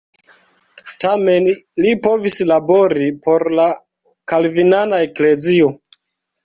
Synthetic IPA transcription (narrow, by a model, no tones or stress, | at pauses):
tame̞nlipo̞vislabo̞ɾipo̞ɾla | kalvinanaekle̞zio